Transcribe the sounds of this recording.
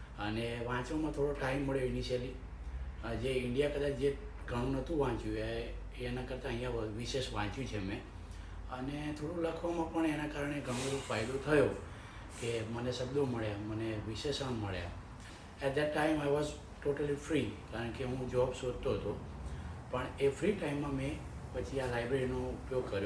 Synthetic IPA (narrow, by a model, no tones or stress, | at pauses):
əneʋãt͡ʃʋamãt̪ʰoɽoʈaimːəɭjoɪniʃəli | d͡ʒeɪɳɖijakəd̪at͡ʃʰd͡ʒe | ɡʱəɽ̃ũnət̪ʰũʋãt͡ʃjũeː | nakəɾt̪aəɦĩjãʋiʃeʃʋãt͡ʃjũt͡ʃʰemẽ | ənet̪ʰoɽ̃ũləkʰʋamãpəɳenakaɾəɳ̃eɡʱəɽ̃õɾofajd̪ot̪ʰəjo | keməneʃəbd̪oməɭjaməneʋɪʃeʃəmməɭja̰ | ɛʈ̚d̪ɛʈːaɪmajʋɔz | ʈoʈəlifɾikaɾəɳkeɦũd͡ʒɔbsod̪t̪oɦət̪o | pəɳefɾiʈaimːãmẽ | pət͡ʃʰialajbɾeɾinoʊpjoɡ̚kəɾjo